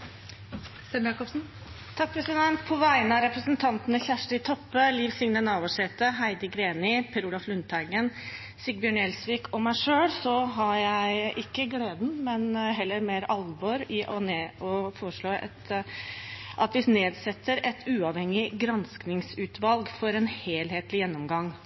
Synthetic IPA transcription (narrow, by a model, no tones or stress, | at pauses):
sɛmjɑːkɔpsn̩ | t̪ʰɑk̚pʰɾɛsɪd̪ɛnt̪̚pʰɔʋæɪnəɑɾɛpɾəsənt̪ʰɑnt̪ənəçæʂʈəɪt̪ʰɔpːəliːʋsɪŋnənɑːʋɔʂɛːt̪əɦæɪd̪əɡɾeːnɪpʰɛɾuːlɑflʉnt̪ʰæɪɡən | sɪɡ̚bjøːɳɛlsʋiːkʰɔmːæɪʂøːɽsɔɦɑɾjæɪʔɪkːəɡleːd̪n̩mɛnɦɛlːəɾmeːɾɑlʋoɾɪʔɔneːɔfoːɾəʂɭoːɛ̰t̪ | ʔɑt̪ʋɪsneːd̪sɛt̪ːəɾɛt̪ʰʉːɑʋhɛŋːɪɡɾɑnsknɪŋsʉːt̪ʋɑlɡfɔɾɛnheːlheːt̪lɪjɛnːɔmɡɑŋː